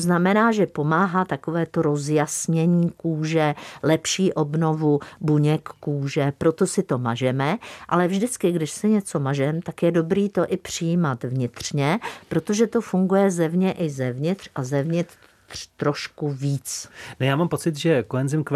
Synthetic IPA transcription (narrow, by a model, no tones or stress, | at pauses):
znamɛnaːʒɛpo̞maːɦat̪akovɛːt̪o̞ɾo̞zjasɲɛɲiːkuːʒɛlɛpʃiːʔo̞bno̞vubuɲɛkːuːʒɛpɾo̞t̪o̞sɪt̪o̞ma̰ʒɛmɛʔa̰lɛvʒdɪt͡skɪɡdɪʃsɪɲɛt͡so̞maʒɛmt̪akjɛdo̞bɾiːt̪o̞ʔɪpr̝̥ɪjimat̪vɲɪt̪r̥ɲɛpɾot̪o̞ʒɛt̪o̞fuŋɡujɛzɛvɲɛʔɪzɛvɲɪt̪r̥ʔazɛvɲɪt̪ | r̥t̪ɾo̞ʃkuviːt͡snojaːmampo̞t͡sɪt̪ʒɛkoɦɛnzɪmk